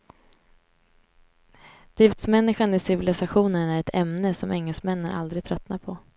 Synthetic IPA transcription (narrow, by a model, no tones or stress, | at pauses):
d̪̥ɪft̪smɛnːɪɧanɪsɪvɪlɪsaɧuːnənæɾɛt̪ʰɛmnəsɔmʔɛŋːɛlsmɛnːəæɾʔa̰ld̪ɾɪɡ̚t̪ʰɾœt̪napʰɔ